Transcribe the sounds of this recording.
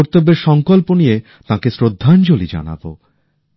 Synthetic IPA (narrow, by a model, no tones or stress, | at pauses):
ɾt̪obːeɾʃɔŋkolponije | t̪ãkesɾod̪ʱːant͡ɕolid͡ʑa̰na̰bo̰